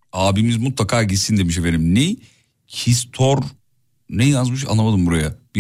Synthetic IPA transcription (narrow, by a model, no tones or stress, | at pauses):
aːbimizmut̪lˠakʰaːɟisind̪emiʃ̬eveɾimni | cʰist̪ʰoɾ | nɛjazmɯʃ̬a̰lːˠamad̪ɯmbuɾajab̥i